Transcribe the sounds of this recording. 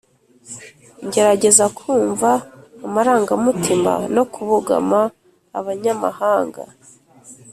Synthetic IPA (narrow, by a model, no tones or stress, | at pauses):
ɲɟe̞ɾaɟe̞zakʰuːɱvaːmaɾaːŋɡamutʰima̰no̞kuβuɡa̰maː | βaɲama̰haːŋɡa̰